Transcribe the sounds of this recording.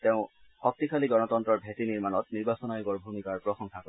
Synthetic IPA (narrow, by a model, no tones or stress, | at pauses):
teʊ̃xɔk̚tikʰaliɡɔnɔtɔntɹɔɹbʱetiniɹmanɔtniɹbasɔnajɔɡɔɹbʱumikaɹpɹɔxɔŋkʰakɔ